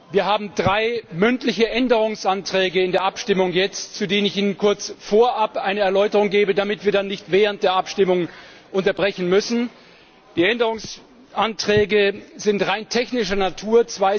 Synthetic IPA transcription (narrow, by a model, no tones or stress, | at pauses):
viːɐɦaːbm̩dʁaɪmʏntlɪçəʔɛndəʁ̞ʊŋsʔantʁ̥ɛːɡəɪndeːɐʔapʃtɪmʊŋjɛt͡stt͡sudeːnənɪçiːnənkʰʊɐt͡sfoːɐʔapʔaɪnəɛɐlɔʏtəʁʊŋɡeːbədamɪtv̥iːɐdanːɪçtv̥ɛːʁənt̚d̥eːɐʔapʃtɪmʊŋ | ʔʊntɐbʁɛçn̩mʏsn̩ | d̥iːɛndəʁʊŋs | ʔantʁ̥ɛːɡəzɪntʁaɪntʰɛçnɪʃ̬ɐnatʰuːɐt͡sv̥aɪ